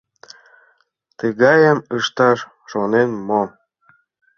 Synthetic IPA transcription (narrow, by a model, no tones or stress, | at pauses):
t̪əɣɑjəməʃt̪ɑʃ | ʃonenmo